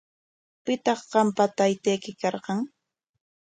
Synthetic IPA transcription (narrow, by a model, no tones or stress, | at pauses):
pɪt̪ɑχɢɑmpat̪ajt̪ejkɪkɑɾqɑŋ